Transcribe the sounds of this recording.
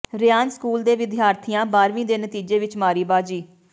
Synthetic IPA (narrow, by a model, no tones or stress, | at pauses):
ɾɪjaːnskuːld̪eːʋɪd̪ʱjaːɾt̪ʰijãːbaːɾʋĩːd̪eːnət̪iːd͡ʒeːʋɪt͡ʃmaːɾiːbaːd͡ʒiː